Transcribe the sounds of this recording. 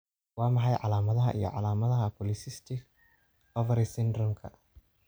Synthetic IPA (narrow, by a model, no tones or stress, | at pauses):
wɑːmɑħɑjʕɑlaːmɐðɐɦɐʔḭjɔ̰ʕɑ̰laːmɐðɐɦɐpʰɔlɪsɪst̪ʰɪɡ | ɔvɐɾɛsɪnd̪ɾɔmkʰɐ̰